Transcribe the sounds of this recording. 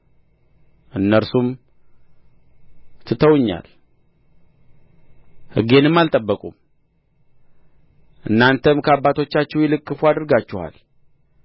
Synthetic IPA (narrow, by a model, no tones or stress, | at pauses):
ʔɨnːəɾsum | t̪ʰɨt̪ʰːəwɨɲːa̰l | hɨ̰ɡe̞nɨmːalt̪ʼəbːəkʼum | ʔɨnːant̪ʰəmkʰəabːat̪ʰo̞t͡ʃːat͡ʃːɛwjɪlɨkʼːɨfuad̪ɨɾɡat͡ʃːɛha̰l